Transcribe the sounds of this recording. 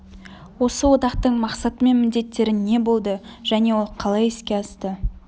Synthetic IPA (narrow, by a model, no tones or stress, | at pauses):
wo̞səwo̞t̪ɑqt̪əɴmɑqsɑt̪əme̞nmɪnd̪e̞t̪ːe̞ɾɪnːe̞bo̞lˠd̪əʒ̥æne̞wo̞lˠqʰɑlˠɑjɪskʲe̞ɑst̪ə